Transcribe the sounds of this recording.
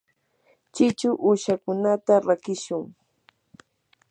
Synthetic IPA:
t͡ʃɪt͡ʃʊʔuʃakʊnat̪aɾakɪʃʊŋ

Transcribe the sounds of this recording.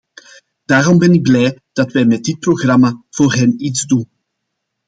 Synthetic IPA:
d̥aːɾɔmbɛnɪɡ̚blɛjd̥ɑtʋɛjmɛd̚dɪt̚proɣrɑmav̥oːrɦɛnitzdun

